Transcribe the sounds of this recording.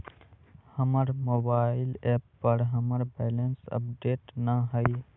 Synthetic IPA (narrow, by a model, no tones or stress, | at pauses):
həməɾmobaːɪlɛːpːəɾɦəməɾbɛːlənsə̰pɖeːʈnəɦəj